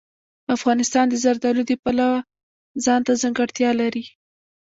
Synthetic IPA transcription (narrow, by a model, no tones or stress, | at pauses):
afɣɑnɪst̪ɑnd̪əzaɾd̪ɑlud̪əpalawa | zɑnt̪azaŋɡaɽt̪jɑlaɾi